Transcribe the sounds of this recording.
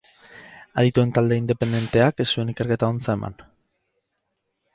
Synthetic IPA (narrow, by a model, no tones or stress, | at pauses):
aðit̪ue̞nt̪ald̪e̞ind̪e̞pe̞nd̪e̞nt̪e̞akesːue̞nike̞ɾke̞t̪aont͡sae̞ma̰n